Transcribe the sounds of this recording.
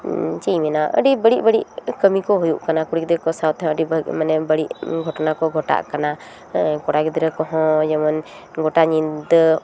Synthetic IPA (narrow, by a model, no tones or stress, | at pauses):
t͡ʃijmɛnaʔə̰ɖibəɽiʔbəɽiʔkəmikɔɦɔjuʔkanakuɽik̚d̪ɾɛkɔsawt̪ʰəɖibəmanɛbəɽiʔɡʱɔʈnakɔɡʱɔʈa̰ʔkana | kɔɽakd̪ɾɛkɔɦɔ̃d͡ʒɔman | ɡʱɔʈaɲind̪